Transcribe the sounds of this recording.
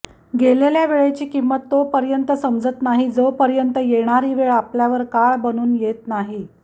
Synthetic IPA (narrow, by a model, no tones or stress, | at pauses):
ɡeleljaʋeɭet͡ɕiːkimːət̪ːopəɾjənt̪əsəmd͡zət̪naɦid͡zopəɾjənt̪əjeɽ̃aɾiːʋeɭapljaʋəɾkaɭbənuːnjet̪naɦi